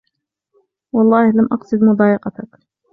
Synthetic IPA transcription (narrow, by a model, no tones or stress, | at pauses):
wɑlˤːɑːhlamʔɑqsˤɨd̪mʊd̪ˤɑːjɑqɑt̪ak